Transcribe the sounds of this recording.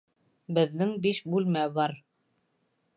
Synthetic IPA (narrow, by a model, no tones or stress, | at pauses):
bɘ̆ðːɘŋbiʃbʉlmæbɑɾ